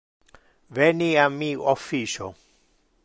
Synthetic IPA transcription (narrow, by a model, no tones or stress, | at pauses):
vɛniamiɔfiʃɔ